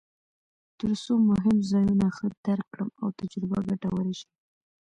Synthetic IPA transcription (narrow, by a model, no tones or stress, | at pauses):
t̪əɾsomʊɦɪmzɑjunaxəd̪aɾkːɽəmawt̪ad͡ʒɾɪbaɡaʈawəɾeʃi̥